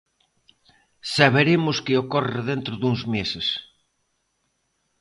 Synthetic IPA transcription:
saβeɾemʊskɪokɔrɪðent̪ɾʊðuŋzmesɪs

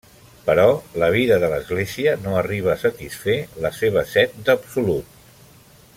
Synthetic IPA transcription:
pəɾɔləβ̞iðəðələzɣleziənoəriβ̞əːsət̪isfeləseβ̞əsɛt̪̚d̪əpsulut̪̚

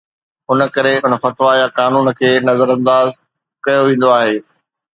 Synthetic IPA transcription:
ʊnə̆kɐɾeʊnə̆fɐt̪ʋajakaːnuːnkʰeːnɐzəɾɐ̃nd̪aːz | kɐjoʋẽːn̆d̪oaːɦeː

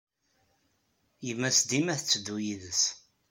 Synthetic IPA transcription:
jəmːæsd̪imæθət͡sːəd̪ːujiðəs

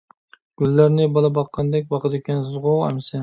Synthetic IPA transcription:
ɡ̥ʲylːæɾnɪbɑlˠɑbɑqʰːɑnd̪ɛk̚ʲbɑqɨd̪ɪkʲʰɛnzɨzʁoæ̰msɪ

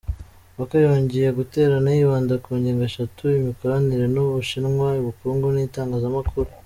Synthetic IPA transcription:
βakajoːɲɟije̞ɡute̞ːɾanajiβaːndakuːɲɟeːŋɡaʃatuimiko̞ɾaniɾe̞nuβuʃinŋwaiβukuːŋɡunitaːŋɡaːzamakʰuɾu

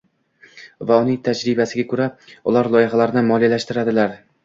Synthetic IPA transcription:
vaʊnɪŋt̪ʰad͡ʒɾɪbasɪɡʲakʰɵɾaʊlˠaɾlˠɒjɪχalaɾɪnɪmɒlijalaʃt̪ɪɾad̪ɪlaɾ

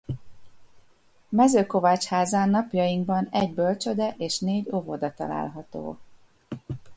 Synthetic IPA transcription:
mɛzøːko̞vaːt͡ʃhaːzaːnːɒpjɒjiŋɡbɒnɛɟbølt͡ʃød̪ɛʔeːʃneːɟo̞vod̪ɒt̪ɒ̰la̰ːlɦɒt̪o̰ː

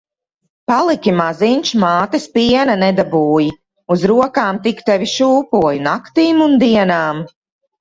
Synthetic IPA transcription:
palˠikʲimaziɲʲt͡ʃmaːt̪ɛspiɛnanɛd̪abuːji | uzɾuɔkaːmt̪ikt̪ɛviʃuːpuɔjinakt̪iːmund̪iɛnaːm

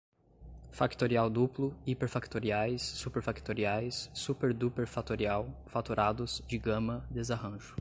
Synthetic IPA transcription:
fakt̪oɾiawd̪uplʊipeɾfakt̪oɾiajsːupeɾfakt̪oɾiajsːupeɾd̪upeɾfat̪oɾiawfat̪uɾʔad̪ʊz̥d͡ʒɪɡɐ̃mɐd̪ezaɦɐ̃ʒʊ

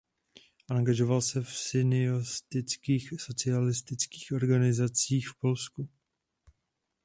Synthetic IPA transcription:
ʔaŋɡaʒo̞valsɛfsɪnɪost̪ɪt͡skiːxso̞t͡sɪalɪst̪ɪt͡ski̥ːxʔo̞ɾɡanɪzat͡siːxfpo̞lsku

